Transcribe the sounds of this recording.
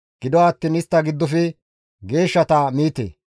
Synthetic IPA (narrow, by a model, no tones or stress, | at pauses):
ɡ̥ɪd̪ɔaːt̪ːiːnɪst̪ːɐɡɪd̪ːɔfɪ | ɡe̞ːʃːɐt̪ɐmiːt̪ḛː